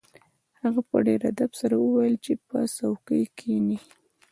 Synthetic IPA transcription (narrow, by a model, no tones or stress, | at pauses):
haɣapə̰ɖeɾad̪absaɾawəwajəlt͡ʃepə̰sawkəjkʰeni